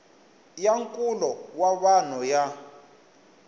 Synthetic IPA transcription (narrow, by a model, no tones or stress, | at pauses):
jaŋkʼulɔwaβanɔja